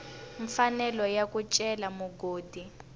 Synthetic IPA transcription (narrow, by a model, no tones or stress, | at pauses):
ɱfanɛlɔjakut͡ʃʼɛlamuɡoːdi